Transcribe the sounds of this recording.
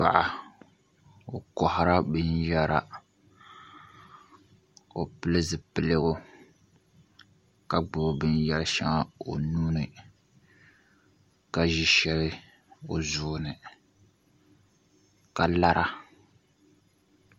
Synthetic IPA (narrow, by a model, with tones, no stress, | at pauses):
pa̰˨ʔa˨ | o˨kɔ˨hʊ˨ɾa˦bɨ˦njɛ˦ɾa˨ | o˨pɨ˦lɨ˦zɨ˨pɨ˦lɨ˦ɣʊ˦ | ka˨ɡ͡bʊ˨bɨ˦njɛ˦lʃa̰˦ŋa˦o̰˨nuː˦nɨ˨ | ka˨ʒi˦ʃɛ˦lɨ˦ | o˨zʊ˦˨˦nɨ˨ | ka˨la˦ɾʔa˦